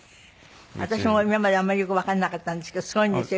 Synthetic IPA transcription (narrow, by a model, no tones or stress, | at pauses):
βa̰t̪aɕimo̞mimamad̪eamːaɾʲijo̞kɯ̟βakannːakat̪ːãnd̪esɨ̥ked̪osɨɡo̞ĩnd̪esɨjo